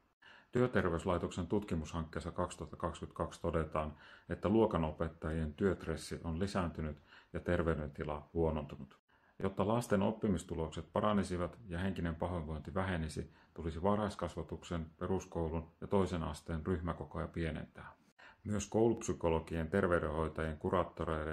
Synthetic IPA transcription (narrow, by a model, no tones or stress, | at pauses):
t̪yøt̪e̞rʋe̞yslɑjt̪okse̞nt̪ut̪kimushɑŋkːe̞ːsːɑkɑkst̪uɑt̪ːɑkɑkskyt̪kɑkst̪o̞de̞t̪ɑːnet̪ːæluokɑno̞pe̞t̪ːɑjie̞nt̪yøt̪re̞sːiʔonlisæːnt̪ynyt̪jɑt̪e̞rʋe̞yde̞nt̪ilɑ̰huo̞nont̪unut̪ | jo̞t̪ːɑlɑst̪e̞no̞̰pːimist̪ulo̞kse̞t̪̚pɑɾɑnisiʋɑt̪jɑɦe̞ŋkinempɑɦʋeʋʋo̞jnt̪iʋæɦe̞nisi | t̪ulisiʋɑrhɑskɑsʋɑt̪uksenpe̞ɾuskouwlunjɑt̪o̞isenɑ̰st̪eːnryçmækokojɑpie̞nḛnt̪æː | myøskowlupsyko̞loɡient̪e̞rʋeydeho̞jt̪ɑjieŋkurɑːt̪ːoɾejle